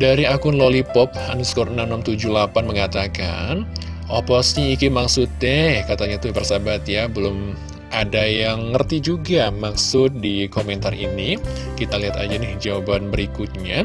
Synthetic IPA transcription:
daɾiakʊnlolipɔp̚hanʊskɔɾnanamt̪ud͡ʒulapanməŋat̪aka̰n | ʔɔpɔsɲiikimaksʊt̪ːɛhkat̪aɲat̪ubərsabat̪jabəlʊm | adajaŋːərt̪id͡ʒuɡamaksʊt̪̚dikomɛnt̪arḭnikit̪aliɦat̪a̰d͡ʒanɪhd͡ʒawabanbəɾikʊt̪̚ɲa

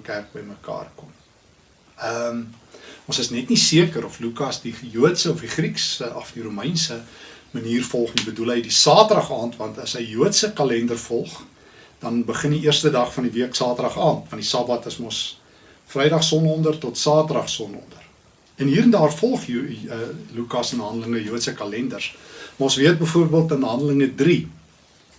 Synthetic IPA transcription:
kærk̚bəjməkɑ̰ːrkɔm | əmɔ̃nsəsnɛtnisiəkəɾɔflukɐsdijuətsəɔfdiχriksəʔɔfdiɾuməjnsəməniːrfɔlˠχnibədulɦəjdisɑːtdɐχɑːntvɐntɐsɦəjjuətsəkɐlɛndərfɔlˠχ | d̥ɐnbəχəndiiərstədɐχfɐndiviəksɑːtədɐχɑːntvɐndisɐbɐtəsmɔs | frɛjdɐχsɔnɔndərtɔtsɑːtrɐχsɔnɔ̰ndər | ɛnɦiːɾəndɑːrfɔlˠχəlukɑsənɦɐndələŋəjuətsəkɐlɛndərsmɑɔ̃nsviət̚bəjfuərbiəlˠtənɦɐndələŋədri

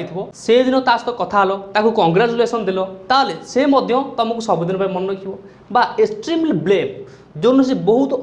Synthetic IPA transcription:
jt̪ʰibɔsed̪inɔt̪ast̪ɔkɔt̪ʰaːlɔt̪akukɔŋɡɾat͡ʃulesɔnd̪elɔt̪aɦlesemɔd̪ʱjɔt̪ɔmɔkusɔbod̪ʱinɔpaimɔnɔnɔkʰibɔ | baesʈɾimlblem | d͡ʒonɔs̬ebɔɦut̪ɔ

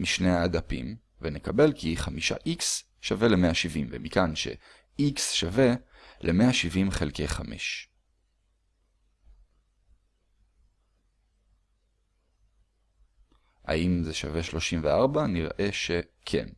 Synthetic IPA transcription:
miʃneaːdapḭm | venekabe̞lkiχamiʃa̰ʔiks | ʃave̞lemeaʃivimvḛmikanʃe̞̰ | iksʃave̞ | lʔeme̞aʃivimχelkejχame̞̰ʃ | ha̰imzeʃave̞ʃlo̞ʃimveaʁbaniʁʔe̞ʃe̞kʰḛn

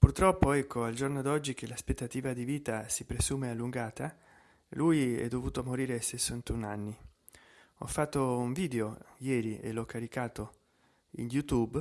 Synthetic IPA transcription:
purt̪ɾɔpːoɛkʰːoald͡ʒornoad̪ɔd͡ʒːik̟ʰelaspet̪ːat̪iːvad̪iviːt̪asipɾesuːmealːuŋɡaːt̪a | lujɛ̰d̪ːovuːt̪omoɾiːɾesesːant̪unanːi | ɔ̰fːat̪ːouɱviːd̪eojɛːɾiḛlːɔkːaɾikaːt̪o | ḭnjut̪ub

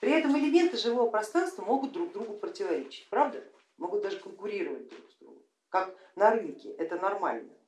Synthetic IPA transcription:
pɾʲɪɛt̪əmɪlʲɪmʲe̞nt̪ɨʐɨvo̞vəpɾɐst̪ɾanst̪vəmo̞ɡʊt̪̚d̪ɾuɡzd̪ɾuɡʊpɾətʲɪvɐɾʲet͡ɕɪ̥t̚ʲpɾavd̪ə | mo̞ɡʊt̪d̪aʐɨkənkʊɾʲiɾəvə̰t̚ʲd̪ɾṵɡzd̪ɾṵɡʊ | kaknɐɾɨnkʲɪʔɛt̪ənɐrma̰lʲnə

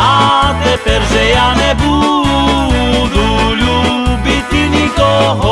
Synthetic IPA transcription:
at̪ɛpɛɾʒɛjanɛbu | d̪ulubit̪inikɔɦo

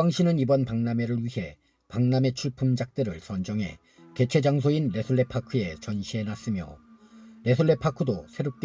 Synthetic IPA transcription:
aŋɕʰinɯnibʌnpaŋname̞ɾɯɭɥiɦe̞ | paŋname̞t͡ɕʰuɭpʰɯmd͡ʑak̚t͈ɯɾɯɭsʰʌnd͡ʑʌŋɦe̞̰ | ke̞t͡ɕʰe̞d͡ʑaŋs̬ʰoinːe̞sʰuɭːe̞pʰakʰɯe̞t͡ɕʌnɕʰiɦe̞nas͈ɯmjo̰ | ɾe̞sʰuɭːe̞pʰakʰɯdosʰe̞ɾop̚k͈

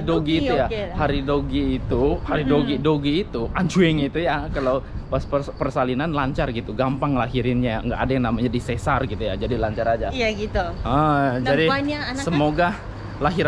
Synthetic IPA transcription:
doɡiːt̪ujahaɾidoɡiːt̪uhaɾidoɡidoɡiːt̪uʔaɲt͡ʃuɛŋit̪ujakalawpasəpərsalinanlaɲt͡ʃarɡit̪uɡampaŋlaɦiɾɪnɲaə̰ŋɡaʔːdajaŋnamaɲadisɛsarɡit̪ujad͡ʒadilaɲt͡ʃaɾad͡ʒajaɡit̪uəd͡ʒadiaansəmoɡa | laɦiɾ

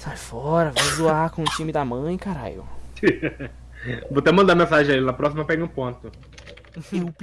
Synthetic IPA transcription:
sajfɔɾɐvajzuaɾkõũt͡ʃĩmɪd̪ɐmɐ̃j̃kaɾa̰ʎʊ̰ | vot̪ɛmɐ̃d̪amẽsaʒẽj̃ainɐpɾɔsimɐpɛɡɪũpõnt̪ʊ | ʊp

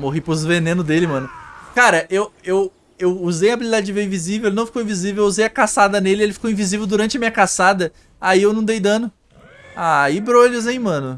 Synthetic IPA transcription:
moɦipɾʊzvenẽnʊd̪elɪmɐ̃nʊkaɾɐʔewew | ewuzejɐabilid̪ad͡ʒɪd͡ʒɪveĩvizivewelɪnɐ̃w̃fikowĩviziveweuzejɐkasad̪ɐnelɪielɪfi̥kowĩvizivewd̪uɾɐ̃nt͡ʃɐmiɲɐkasad̪ɐ | aiewnɐ̃w̃d̪ejd̪ɐ̃nʊ | aibɾoʎuzẽj̃mɐ̃nʊ

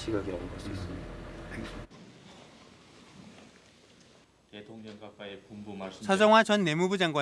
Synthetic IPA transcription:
ɕʰiɡaɡiʌnɡʌs͈uis͈ɯmida | t̪etʰoŋɲʌŋpap͈aepumbumasʰʌd͡ʑʌŋɦwad͡ʑʌnːe̞mubud͡ʑaŋɡwa

